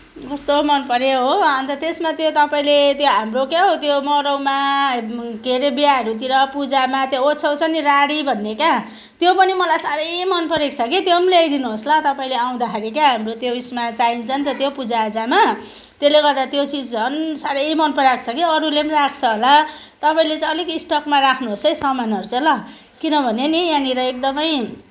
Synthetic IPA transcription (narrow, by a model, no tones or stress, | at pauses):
kʌst̪omʌnpʌɾeɦoʌnt̪ʌt̪esmat̪jot̪ʌpaĩlet̪joɦamrokjaɦot̪jomʌɾʌwma | ɡeɾebjaɦʌɾut̪iɾʌpud͡zamat̪joot͡sʰʌwt͡sʰʌniɾaɽibʱʌnːeka | t̪jopʌnimʌlajsaɾʌjmʌnpʌɾek̚t͡sʰʌkit̪jomlejd̪inuɦoslʌ̃t̪ʌpaĩleaw̃d̪akʰaɾikaɦamrot̪joismat͡saint͡sʰʌnt̪ʌt̪jopud͡zad͡zama | t̪eleɡʌrd̪at̪jot͡sid͡zʌnsaɾʌjmʌnpʌɾakʰt͡sʰʌkiʌɾulemɾakʰt͡sʰʌɦola | t̪ʌpaĩlet͡saʌlikisʈʌkmaɾakʰnuɦosʌjsʌmanɦʌɾut͡sʌlʌ | kinʌbʱʌnenijaniɾʌek̚d̪ʌmʌj